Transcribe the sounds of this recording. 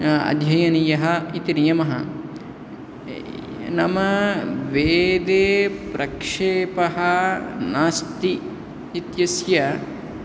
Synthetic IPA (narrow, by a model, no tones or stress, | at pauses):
ɐ̰d̪ʱjɐjɐnijɐɦɐit̪inijɐmɐɦɐ | nɐmɐʋeːd̪eːpɾɐkʂeːpɐɦɐnaːst̪iː | t̪jɐsjɐ